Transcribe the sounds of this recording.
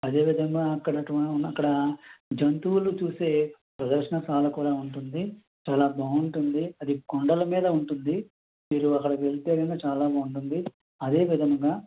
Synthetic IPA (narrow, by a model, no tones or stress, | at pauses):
ɐd̪e̞ːʋid̪ʱɐŋɡaːɐkːɐɽɐʈʋɐɐkːɐɽɐd͡ʒɐnt̪uulut͡ʃuːse̞ː | pɾɐd̪ɐɾʃɐɳɐsaːlɐkuːɽaːuɳʈund̪i | t͡ʃaːlaːbʱaːuɳʈund̪iɐd̪ikoɳɖɐlɐmiːd̪ɐuɳʈund̪i | miːɾuɐkːɐɽɐʋe̞ɭit̪eːɾɐnat͡ʃaːlaːbaːuɳʈund̪i | ɐd̪e̞ːʋid̪ʱɐŋɡaː